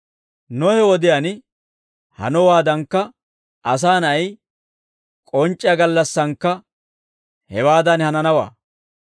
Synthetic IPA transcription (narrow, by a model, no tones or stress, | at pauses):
nɔhɛwɔd̪ɪjɐn | hɐ̰nɔwaːd̪ɐŋkːɐ | ʔɐs̬aːnɐj | kʼɔnt͡ʃʼːɪjɐɡɐlːɐsːɐŋkːɐ | hɛwaːd̪ɐnhɐnɐnɐwa̰ː